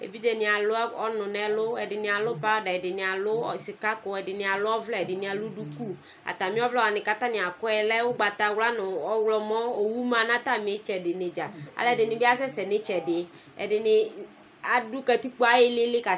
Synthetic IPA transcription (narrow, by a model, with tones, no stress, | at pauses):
ḛ˨bi˦d͡ʒɛ˨nɪ̃˨a˨lʊ˦a˦ɔ˦nʊ̃˨nɛ˦lʊ˦ɛ˨dɪ˨nɪ˨a˨lʊ˦pa˦ɔ˦dɛ˨ɛ˨dɪ˨nɪ˨a˨lʊ˦˨sɪ˨ka˦kʊ˨ɛ˨dɪ˨nɪ˨a˨lʊ˦ɔ˦vlɔ˦ɛ˨dɪ˨nɪ̃˨˦a˨lʊ˦du˦ku˦ | a̰˨t̪a˨mĩ˦ɔ˦vlɔ˦a˨nɪ˨ka˦t̪a˦nɪ̃˨a˨kʊ˦ɛ˨lɛ˦wʊ˦ɡ͡ba˨t̪a˨wla˦nʊ˨ɔ˦wlɔ˦mɔ̃˦o˨wu˦mã˨nã˦t̪a˦˨mɪ̃˨ɛ˦t͡ʃɛ˨dɪ˨nɪ˨d͡ʒa˨a̰˨lɛ˦˨dɪ˨nɪ̃˨˦bi˦a˦sɛ˦sɛ˨nɪ˦t͡ʃɛ˨dɪ˨˦ | ɛ̰˨dɪ˨nɪ˨ | a˨dʊ˦kɛ˦t̪i˦k͡pu˦a˦jɪ˦lɪ˦lɪ˦ka˨